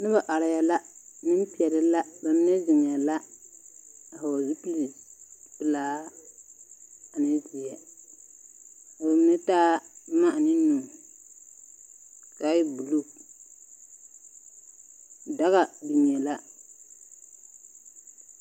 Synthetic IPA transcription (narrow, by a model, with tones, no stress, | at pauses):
nɨ˦ba˨ʔa˨ɾɪ˨ja˨la˦nɨ˦m˦pi˦˨ɛ˨lɨ˦la˦ba˨m˦nɛ˦zɪ˨ŋ˨a˨la˦ | a˨ha˨wa˨zu˦pi˦li˨pɨ˦laː˦ | a˨nɪ˦zi˨jɛ˨ | a˨ba˨m˦nɨ˦taː˦ma˦ʔnɪ˦nu˨ | ka˦ji˦bu˨lo˦˨ | da˦ɣa˨di˨mi˨ɛ˨la˦